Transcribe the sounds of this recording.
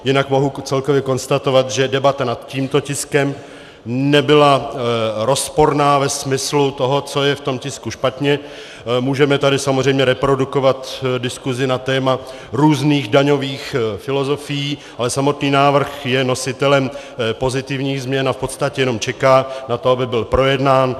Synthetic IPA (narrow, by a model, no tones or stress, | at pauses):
jɪnakmo̞ɦut͡sɛlkovjɛko̞nst̪at̪o̞vat̪ʒɛdɛbat̪anat̪ciːmt̪o̞cɪskɛm | nɛbɪla | ɾo̞spo̞ɾnaːvɛsmɪslut̪o̞ɦo̞t͡so̞jɛft̪o̞mcɪskuʃpat̪ɲɛ | muːʒɛmɛt̪adɪsamozr̝ɛjmɲɛɾɛpɾo̞duko̞vat̪dɪskuzɪnat̪ɛːma | ɾuːzniːɣdaɲo̞viːxfɪlo̞zo̞fɪjiːʔalɛsamo̞t̪niːnaːvr̩xjɛno̞sɪt̪ɛlɛm | po̞zɪt̪ɪvɲiːɣzmɲɛnafpo̞t̪st̪acɛjɛno̞mt͡ʃɛkaːnat̪o̞abɪbɪlpɾo̞jɛdnaːn